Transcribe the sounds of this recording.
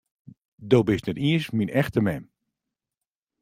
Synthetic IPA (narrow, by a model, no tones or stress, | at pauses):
dowbɪsnɛtiəsminɛxtəmɛm